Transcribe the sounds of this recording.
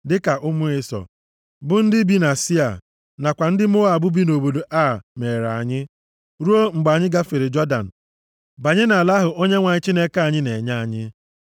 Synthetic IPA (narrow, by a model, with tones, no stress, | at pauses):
dɪ˦ka˨ʔʊ˦mʊ˦ɪ˦sɔ̰˨ | bʊ˦n̩˦dɪ˦bi˦na˨si˦a̰˨ | na˨kʷa˨n̩˦dɪ˦m˦ʊ˦a˨bʊ˦bi˦no˨bo˨do˨ʔa˦˨me˨ɾa̰˨ɲɪ˦ | ɾu˦o˦ŋ͡m̩˨ɡ͡ba˨ɲɪ˦ɡa˦fɪ˨ɾɪ˨d͡ʒɔ˦da̰˨n̩˨ | ba˨ɲɪ˦na˨la˦ɦʊ˨ʔo˦ɲe˦ŋʷa˨ɲɪ˦t͡ʃi˦ne˦ka˦˨ɲɪ˦ne˨ɲa˦a˨ɲɪ˦